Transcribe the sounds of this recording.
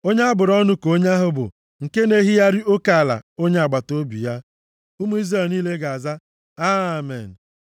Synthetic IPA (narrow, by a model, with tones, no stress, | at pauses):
o˦ɲa˦a˦bʊ˨ɾɔ˦nʊ˦ko˦ɲa˦ɦʊ˦bʊ̰˨ | ŋ̩˨ke˦ne˦ɦi˦ja˦ɾɪ˦ʔo˦ka˨a˨la̰˨o˦ɲe˦a˨ɡ͡ba˨to˦bḭ˨ja˦ | u˦mu˦i˦zɾe˨lniː˦le˦ɡa˨a˨za˦ | a˦˨mḛ˨n̩˨